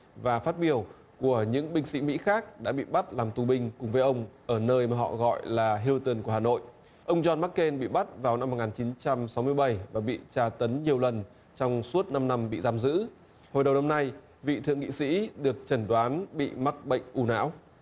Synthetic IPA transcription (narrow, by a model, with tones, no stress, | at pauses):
vaː˨˩faː˦˥t̚ɓi˧˨˩əw | ku˧˩əɲɨ̰˧˥ŋɓï˧ŋ̟sḭ˧˥mḭ˧˥xaː˦˥k̚ɗa̰ː˧˥ɓḭ˧˨ɓa˦˥t̚laː˨˩mt̪u˨˩ɓï˧ŋ̟kʊ˨˩ŋ͡mvəː˨˦jʔə˧wŋ͡mʔəː˧˩nəː˧jmaː˨˩ɦɔ̰˧˨ɣɔ̰˧˨jlaː˨˩ɦi˧lu˧t̪ə˨˧˩nku˧˩əhaː˨˩no̰˧˨j | ʔə˧wŋ͡mzɔ˧nma˦˥kːe˧nɓḭ˧˨ɓa˦˥t̚vaː˨˩wna˧m̚ː˨˩ŋaː˨˩nt͡ɕi˨˦nt͡ɕa˧msa˨˦wmɨ˧əjɓə˧˩jvaː˨˩ɓḭ˧˨t͡ɕaː˧t̪ə˨˦nɲi˨˩əwlə˨˩n | t͡ɕɔ˧wŋ͡msu˦˥ət̚na˧mna˧mɓḭ˧˨zaː˧mzɨ̰˧˥ | ho˨˩jɗə˨˩wna˧mna˧j | vḭ˧˨t̪ʰɨ̰˧˨əŋḭ˧˨sḭ˧˥ɗɨ˨˩ək̚t͡ɕə˧˩nɗwaː˨˦nɓḭ˧˨ma˦˥t̚ɓə̰˧˨jŋ̟ʔu˧na̰ː˧˥w